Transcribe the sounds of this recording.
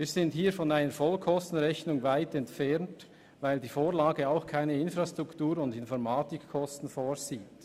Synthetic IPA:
viːzɪnthiːɾfɔnaɪnəɾfɔlkʰɔstn̩ʁɛçnʊŋvaɪtɛntfɛɾnt | vaɪldiːfoːɾlaːɡəaʊxkʰaɪnəɪnfɾastʁʊktuːɾʊndɪnfɔɾmaːtɪkʰːɔstn̩foːɾziːt

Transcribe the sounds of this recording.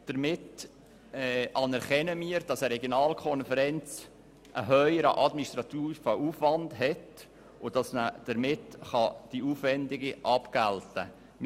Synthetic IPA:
d̥əɾmɪt | ɛʔɑnæɾχɛnəmiːəɾd̥ɑsəɾɛɡjonɑːlkʰɔnfəɾɛnt͡s | ʔəɦœʏəɾə̰ʔɑdminist̪ɾɑt̪iːfəʔuːfʋɑndɦɛt | ʊd̥ɑsnəd̥əɾmɪtχɑd̥iuːfʋɛndɪɡiʔɑpɡ̥æltə̰ | m

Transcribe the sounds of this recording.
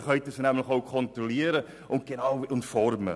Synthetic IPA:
χœʏtəsnæmlɪχowkʰɔnt̪ɾɔliːəɾə | ʔʊnt̚ɡ̥enɑwʊntfɔrmə̰

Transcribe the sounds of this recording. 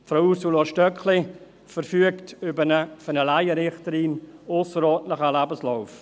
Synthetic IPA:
fɾawusuloʃtœkχlɪ | fəɾfyəktʏbənəfənəlaɪəɾɪχtəɾiːnʊsəɾɔːntləχəlabəslɔʊf

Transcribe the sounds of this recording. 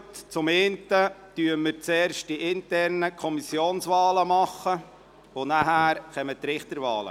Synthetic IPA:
tt͡sʊmeːnt̪əd̥yəməɾt͡sɛːɾʃt̚d̥iʔɪntɛrnəkʰɔmisjoːnsʋɑːləmɑχːə | onæɦæːɾχɛmət̪ɾɪχt̪əɾʋɑ̰ːlə̰

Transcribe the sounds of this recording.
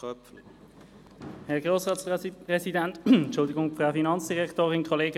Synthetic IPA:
œpfl | hɛʁɡʁoːsʁɑːtspʁɛsidɛntnt͡ʃʊldɪɡʊŋfʁafinɑnt͡ssd̥iʁɛktoːʁɪnkʰɔleːɡə

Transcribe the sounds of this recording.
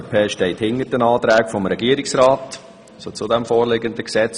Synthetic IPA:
pʰɛːʃtɛɪthɪnəɾdənɑːt̪ɾæːkfɔmɾɛɡiəɾiksɾɑːt | sot͡sʊd̪ɛmfoːrlɪɡənd̪əksɛt͡s

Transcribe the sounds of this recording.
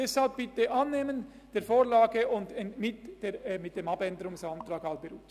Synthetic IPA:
ɛshalp̚b̥ɪtəʔɑnːeːmən | d̥eːɾfoːlaːɡəʊndɛmɪtd̥eːmɪt̚d̥emɑbɛndəɾʊŋsantɾaːɡalbəɾuːt

